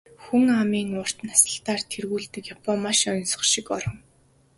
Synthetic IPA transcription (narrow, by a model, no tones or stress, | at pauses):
xuŋamiːŋʊːr̥t̪nasə̥̆ɬt̪aːrt̪ʰerɣuːɮt̪ɘ̆kjapɔmaʃɔj̆nsɞ̥̆χʃɪkɔ̰ɾɞ̆ŋ